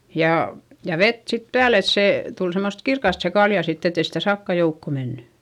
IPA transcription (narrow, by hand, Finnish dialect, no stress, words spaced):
jɑ jɑ ʋet sit pæːl et seˑ tul semːost kirkɑst se kɑljɑ sitː etei sitæ sɑkːɑ joukːo menːy